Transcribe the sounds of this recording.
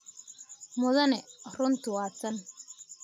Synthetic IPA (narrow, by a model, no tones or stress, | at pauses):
mʊðɐnɛrʊnt̪ʰʊwaːsɐn